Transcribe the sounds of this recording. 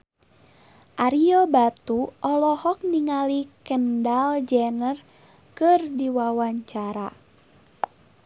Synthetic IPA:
ʔaɾiɔbat̪uʔɔlɔhɔk̚niŋalikəndald͡ʒɛnər | kɨrdiwawaɲt͡ʃaɾa

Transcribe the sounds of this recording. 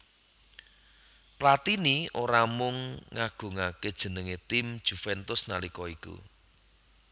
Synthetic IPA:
plat̪iniʔoɾamʊŋːaɡ̥o̤ŋaked̥ʒ̥ə̤nəŋet̪imd̥ʒ̥ufɛnt̪ʊsnalikɔikṵ

